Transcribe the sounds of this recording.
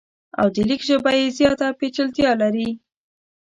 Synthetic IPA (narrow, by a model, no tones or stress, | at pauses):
a̰wd̪əlikʒəbajezjɑt̪apet͡ʃəlt̪jɑlaɾi